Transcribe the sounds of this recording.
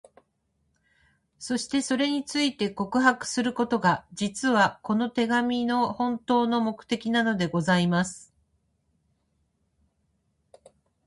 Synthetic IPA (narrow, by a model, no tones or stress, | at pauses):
so̞ɕi̥t̪e̞so̞ɾe̞ɲ̟it͡sɨit̪e̞ko̞kɯ̟ɦakɯ̟̥sɨɾɯ̟ko̞t̪o̞ɡad͡ʑit͡sɨβako̞no̞t̪e̞ɡamʲino̞hõ̞nt̪o̞ːno̞mo̞kɯ̟̥t̪e̞kʲinano̞d̪e̞ɡo̞zaimasɨ̥